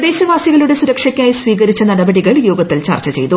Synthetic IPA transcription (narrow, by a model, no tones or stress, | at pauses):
d̪e̞ːɕɐʋaːsiɣɐluɽe̞suɾɐkʂɐkʲːaːjisʋiːɣɐɾit͡ɕːɐnɐɽɐbɐɽiɣɐɭjoːɡɐt̪ːilt͡ɕa̰ːrt͡ɕɐt͡ɕe̞jt̪u